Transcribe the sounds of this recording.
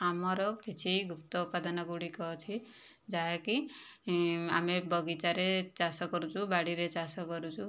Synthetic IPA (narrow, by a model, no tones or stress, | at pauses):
amɔɾɔkket͡ʃʰiɡʱupt̪ɔupad̪ɔnɔɡuɽikɔɦɔt͡ʃʰi | d͡ʒaɦeki | a̰mebɔɡit͡ʃaɾet͡ʃasɔkɔɾut͡ʃʰubaɽiɾet͡ʃasɔkɔɾut͡ʃʰu